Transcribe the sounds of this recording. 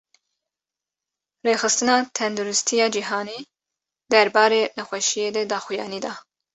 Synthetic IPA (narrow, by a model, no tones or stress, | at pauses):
reːxɨst̪ɨnɑːt̪ʰɛnd̪uɾɪst̪ʰijɑːd͡ʒiɦɑːni | d̪ɛɾbɑːɾeːnɨxʷɛʃijeːd̪ɛd̪ɑːxujɑ̰ːniːd̪ɑː